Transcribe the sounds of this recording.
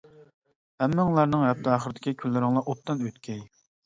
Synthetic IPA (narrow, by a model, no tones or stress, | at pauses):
hɛmːɪŋlˠɑɾnɨŋɛp̚t̪ʰɨɑːχəɾɨd̪ɪkʲikʲʰylːɪɾɪŋlˠɑʔot̪ːɑnøt̪kʲʰɛj